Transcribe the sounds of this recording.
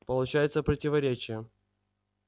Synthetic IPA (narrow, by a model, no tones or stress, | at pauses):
pəlˠʊt͡ɕæjɪt̪səpɾətʲɪvɐɾʲet͡ɕɪjə